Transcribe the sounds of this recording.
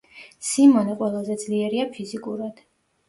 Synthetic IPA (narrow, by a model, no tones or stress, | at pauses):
simɔnɛqʼwɛlˠazɛd̪z̥liɛɾiapʰizikʼuɾad̪̥